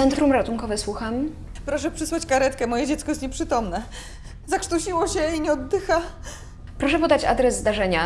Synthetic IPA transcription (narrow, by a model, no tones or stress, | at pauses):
ɛnt̪ɾumɾat̪uŋkɔvɛswuxam | pɾɔʂɛpʂɘswat͡ɕkaɾɛt̪kɛmɔjɛd͡ʑɛt̪skɔɛst̪ɲɛpʂɘt̪ɔmnɛ | zakʂt̪uɕiwɔɕɛiɲɛɔd̪d̪ːɘxa | pɾɔʂɛpɔd̪at͡ɕa̰d̪ɾɛzːd̪aʐɛɲa